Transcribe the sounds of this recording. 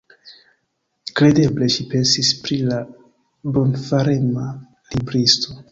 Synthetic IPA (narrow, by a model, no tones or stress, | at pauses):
kɾe̞de̞ble̞ʃipe̞nsispɾila | bo̞nfaɾema | libɾisto̞